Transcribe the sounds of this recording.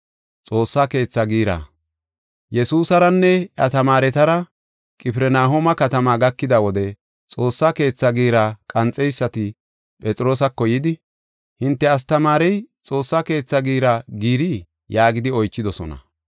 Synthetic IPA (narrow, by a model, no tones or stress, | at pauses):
t͡sʼo̞ːsːake̞ːt͡sːɐɡiːɾa̰ː | jɛsuːsɐɾɐnːɛɐ̰t̪ɐmaːɾɛt̪ɐɾɐ | kʼɪpɪɾɛnaːɦomɐkɐt̪ɐmaɡɐkːɪd̪ɐwɔd̪ɛ | t͡sʼo̞ːsːaːke̞ːt͡sːɐɡiːɾɐkʼɐnt͡sʼːɛjsːɐt̪ɪ | pʼɛt͡sʼɪɾo̞ːsɐkːɔjɪd̪ɪ | hɪnt̪ːɛɐs̬t̪ɐmaːɾɛjt͡sʼo̞ːsːaːke̞ːt͡sːɐɡiːɾɐɡiːɾi | jaːɡɪd̪ɪɔjt͡ʃːɪd̪ɔsɔ̰nɐ̰